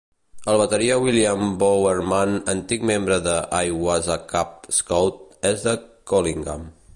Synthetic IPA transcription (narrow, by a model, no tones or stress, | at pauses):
əlˠβət̪əɾiawiliambowəɾmanənt̪ikmembɾəðəʔajwazakap̚skowt̪̚ɛzðəkoliŋɡa̰m